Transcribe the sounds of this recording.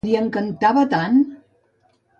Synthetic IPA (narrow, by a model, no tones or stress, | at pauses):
iəŋkənt̪aβət̪an